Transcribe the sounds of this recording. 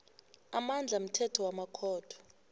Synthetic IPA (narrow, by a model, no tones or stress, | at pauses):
amand͡ɮʱam̩tʰɛtʰɔwamakʰɔːd̥ʰʱɔ̥